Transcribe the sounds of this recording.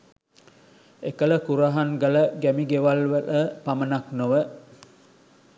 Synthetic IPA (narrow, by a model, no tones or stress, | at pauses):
ekələkuɾaɦaŋɡələɡæmiɡeʋalʋəʔəpamənaknoʋə